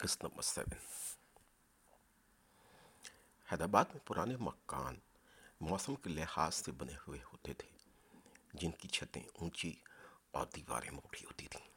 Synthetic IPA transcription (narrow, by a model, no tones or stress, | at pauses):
kɪsnə̃mbə̰ɾsɛ̰ːʋən | hɛːd̪aːbaːd̪mẽpʊɾʔaːnemɐkːa̰ːn | mɔːsəmkelɪhaːzsebɐnehʊehoːt̪et̪ʰe̥ː | d͡ʒɪnkit͡ʃʰɐt̪ḛ̃ũːt͡ʃiɔːɾd̪iːʋa̰ːɾḛ̃moːʈʰiɦoːt̪it̪ʰĩ̥ː